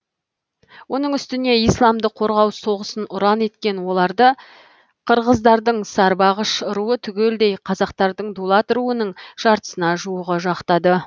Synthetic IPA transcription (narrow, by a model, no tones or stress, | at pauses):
wo̞nəɴʏst̪ɪne̞ijslˠɑmd̪əqʰo̞ɾʁɑwso̞ʁəsənʊɾɑne̞t̪kʲe̞nwo̞lˠɑɾd̪ə | qʰəɾʁəzd̪ɑɾd̪əɴsɑɾbɑʁəʃəɾuət̪ʰʏɡʲe̞ld̪e̞jqʰɑzɑqt̪ɑɾd̪əɴd̪ulˠɑt̪ɾuənəɴʒ̥ɑɾt̪ə̥sənɑʒuwəʁəʒɑqt̪ɑd̪ə